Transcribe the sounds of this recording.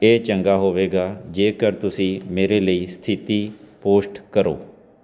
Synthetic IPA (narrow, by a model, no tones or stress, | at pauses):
eːt͡ʃəŋɡaːɦoːʋeːɡaːd͡ʒeːkəɾt̪ʊsĩːmeːɾeːləiːst̪ʰɪt̪iːpoːsʈkəɾo̰ː